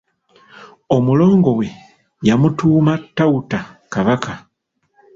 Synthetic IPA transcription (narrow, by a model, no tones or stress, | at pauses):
o̞mulo̞ːŋɡo̞we̞ | jamutuːmatːautakaβaka